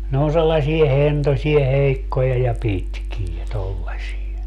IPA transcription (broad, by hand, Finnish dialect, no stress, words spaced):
ne on selːɑsie hentosie heikːojɑ jɑ pitkie tolːɑsie